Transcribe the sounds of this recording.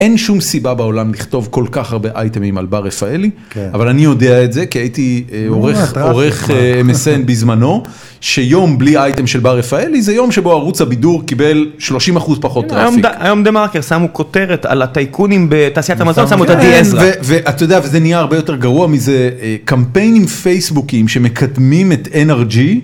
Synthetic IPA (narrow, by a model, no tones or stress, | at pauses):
e̞nʃumsibabao̞lamliχt̪o̞vko̞lkaχaʁbe̞ʔajtemima̰lbaʁefaeliavalanijo̞deaetze̞kiaitioʁeχoʁeχemesenbizmano̞ | ʃe̞jo̞mbliajtemʃe̞lbaʁefaelizejo̞mʃebo̞aʁut͡sabiduʁkibe̞lʃlo̞ʃimaχuzpaχo̞t̪ːʁaofikajomd̪emaʁkeʁsamuko̞te̞ʁeta̰lat̪ajkʰunimbet̪aːsiatamazonsamuet̪adiesʁveveʔat̪ajodeavezenijaːʁbejo̞te̞ʁɡaʁuamizekampe̞jnimfejsbukimʃe̞me̞kʰadmimeteneʁd͡ʒi